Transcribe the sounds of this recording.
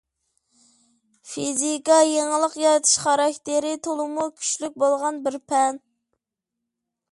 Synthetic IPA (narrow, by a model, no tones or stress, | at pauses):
fizikɑjeŋəlˠəqjɑɾɛt̪ʰɨ̥ʃχɑɾɑkʲt̪ɪɾɪt̪ʰolˠɨmukʲʰy̥ʃlyk̚ʲbolˠʁɑnbɪɾpʰɛn